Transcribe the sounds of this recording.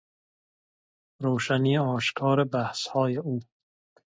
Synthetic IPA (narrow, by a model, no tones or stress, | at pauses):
ɾoːʃaniːeɒːʃkʰɒːɾebæhshɒːjeuː